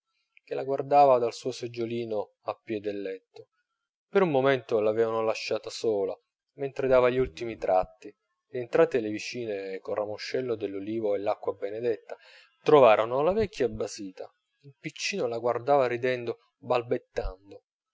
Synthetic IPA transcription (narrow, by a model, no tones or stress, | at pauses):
k̟elaɡward̪aːvad̪alsuːosed͡ʒːoliːno | apːjɛd̪elːɛt̪ːo | peɾummːoment̪olavɛːvanolaʃːaːt̪asoːla | ment̪ɾed̪aːvaʎːiult̪imit̪ɾʔat̪ːi | lient̪ɾaːt̪ːelevit͡ʃiːnekorːamoʃːɛlːod̪elːoliːvoelːakːwabened̪ɛt̪ːa | t̪ɾovaːɾʔonolavɛkːjabasiːt̪a̰ | ilpit͡ʃːiːnolaɡward̪aːvaɾid̪ɛnd̪o | balbet̪ːand̪o